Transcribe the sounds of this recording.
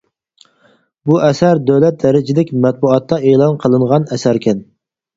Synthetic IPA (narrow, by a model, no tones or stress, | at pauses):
buʔɛsæɾd̪øwlɛt̪̚d̪ɛɾɪd͡ʒɪlɪkʲmɛt̪̚buɑt̪ːɑeːlˠɑnqʰəlˠɨɴʁɑnɛsæɾkʲʰɛn